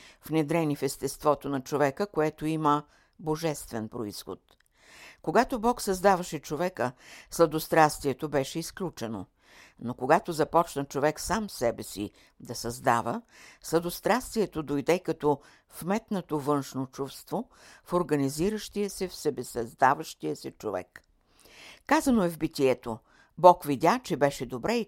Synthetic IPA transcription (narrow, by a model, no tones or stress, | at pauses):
fnɛd̪ɾɛnifɛst̪ɛst̪vɔt̪onɐt͡ʃovɛkəkoɛt̪oimə | boʒɛst̪vɛnpɾoisxo̰t̪ | koɡat̪obɔksɐzd̪avɐʃɛt͡ʃovɛkəslˠɐd̪ost̪ɾast̪viɛt̪obɛʃɛisklʲut͡ʃɛno̰ | nokoɡat̪ozɐpɔt͡ʃnɐt͡ʃovɛksamsɛbɛsḭ | d̪ɐsɐzd̪a̰vəslˠɐd̪ost̪ɾast̪viɛt̪od̪ojd̪ɛkɐt̪ɔ | fmɛt̪not̪ovɤnʃnot͡ʃufst̪vo | foɾɡɐniziɾəʃt̪iəsɛfsɛbɛsɐzd̪avəʃt̪iəsɛt͡ʃovɛ̰k | kazɐnoɛvbit̪iɛt̪o | bɔkvidʲat͡ʃɛbɛʃɛd̪obɾɛi